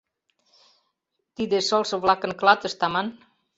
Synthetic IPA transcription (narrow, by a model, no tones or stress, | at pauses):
t̪id̪esɔlˠsoβlakəŋklat̪əst̪aman